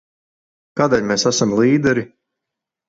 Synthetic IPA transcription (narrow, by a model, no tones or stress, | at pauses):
kaːd̪eːlʲmeːsasamlˠiːd̪ɛɾi